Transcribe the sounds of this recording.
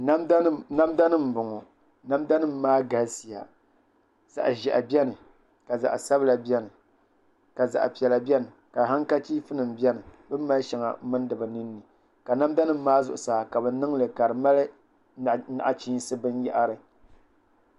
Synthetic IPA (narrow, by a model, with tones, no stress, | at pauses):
na˦mda˦nɨ˦m̩˨bʊ˨ŋɔ˨ | na˦mda˦nɨ˦m̩˦maː˦ɡa˨lsi˨a̰˨ | z̥a̰˨ʔʒɛ̰˨ʔa˨bɛ˦nɨ˨ | ka˨za̰˨ʔsa˦bɨ˦la˨bɛ˦nɨ˨ | ka˨za̰˨ʔpi˨ɛ˨la˨bɛ˦nɨ˨ | ka˨ɦa˦ŋka˦t͡ʃi˦fɨ˦nɨ˨m˨bjɛ˦nɨ˨bɨ˦m˦mːa˦ʃɛ˨ŋa̰˨˦mɨ˦n˦dɨ˨bɨ˨nɨ˦nːɨ˨ | ka˨na˦m˦da˦nɨ˦m̩˦maː˦zʊ˨ʔʊ˨saː˨ka˨bɨ˨nɨ˦ŋlɨ˨ka˨ɾɨ˨ma˦lɨ˦ | na̰˨ʔa˨t͡ʃi˦sɨ˦bɨ˦njɛ˦ʔa˦ɾɨ˨